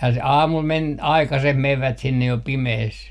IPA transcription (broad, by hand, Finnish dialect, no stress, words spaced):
jɑ se ɑːmul men ɑikɑseh meʋːæt sinːej jo pimehes